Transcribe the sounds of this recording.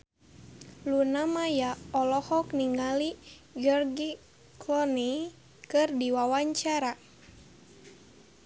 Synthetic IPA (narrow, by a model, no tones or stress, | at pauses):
lunamajaɔlɔhɔkniŋaliɡɔrɡi | kʰlɔni | kɨrdiwawaɲt͡ʃaɾa